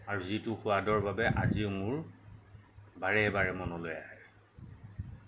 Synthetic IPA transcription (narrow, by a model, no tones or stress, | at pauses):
aɹuzitʊxʊadɔɹbabɛʔa̰ziʊmʊɹ | baɹɛɛbaɹɛmɔnɔlojaɦɛ